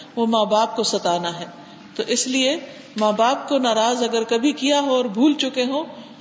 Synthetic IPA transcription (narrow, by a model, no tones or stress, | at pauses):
ʋoːmaːbaːp̚kosɐt̪aːnaɦɛː | t̪oːʔɪslie | maːbaːp̚konaːɾaːzɐɡəɾkɐbʱikijaɦoɔːɾbʱuːlt͡ʃʊkeɦõː